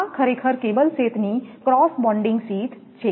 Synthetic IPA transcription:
kʰɐɾekʰəɾkeːbəlseːt̪nikɾɔːsbɔ̃ːɳɖɪ̃ŋɡsiːt̪ | t͡ʃʰe

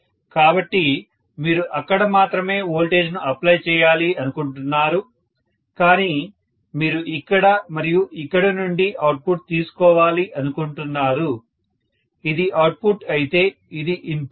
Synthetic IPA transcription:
kaːbɐʈːi | miːɾuʔɐkːɐɽɐmaːt̪ɾɐme̞ːoːlʈe̞ːd͡ʒnuʔɐplɐjt͡ʃɛːjaːliɐnukuɳʈunːaːɾu | kaːniː | miːɾuʔikːɐɽɐmɐɾijuʔikːɐɽɐnuɳɖiʔɐwʈ̚pʰuʈ̚t̪iːsu̥kɔːʋaːliʔɐnukuɳʈunːaːɾu | id̪iʔɐwʈ̚pʰuʈɐjit̪e̞ː | id̪iʔin

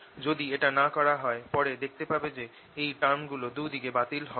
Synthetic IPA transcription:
d͡ʑod̪ieʈanakɔɾaɦɔepɔɾed̪ek̚ʰt̪epabed͡ʑe | ejʈaɾmɡulod̪ud̪iɡebat̪ilɦɔ

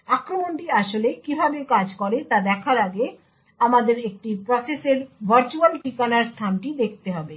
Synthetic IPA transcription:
akɾomonʈiaʃolekibʱabekad͡ʑkɔɾet̪ad̪ɛkʰaɾaɡe | amad̪eɾek̚ʈipɾɔseseɾbʱɐɾt͡ɕualʈikanaɾst̪ʰanʈid̪ek̚ʰt̪eɦɔbe

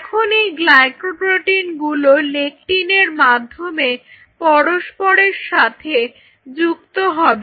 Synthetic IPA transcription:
kʰoniɡlakoʈɾoʈinɡulolek̚ʈineɾmad̪ʱːome | pɔɾoʃpoɾeɾʃat̪ʰe | d͡ʑukt̪oɦɔbe

